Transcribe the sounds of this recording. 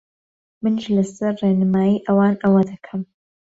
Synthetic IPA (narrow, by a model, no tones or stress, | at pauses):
mɨnʃlɐsɐɾreːnɨmaːjiːʔɐwaːnʔɐwɐd̪ɐkʰɐm